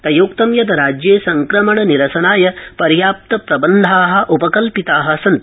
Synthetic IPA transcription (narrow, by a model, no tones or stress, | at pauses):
t̪ɐjuːkt̪ɐmjɐt̪̬ɐɾaːd͡ʒjeːsɐŋkɾɐmɐɳɐniɾɐsɐnaːjɐpɐɾjaːp̚t̪ɐpɾɐbɐnd̪ʱaːɦɐ̆ʔupɐkɐlpit̪aːɦɐ̆sɐnt̪